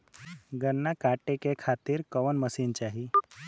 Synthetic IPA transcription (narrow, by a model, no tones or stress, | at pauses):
ɡənːakaʈekekʰat̪iːɾkəʋənməsint͡ɕaɦi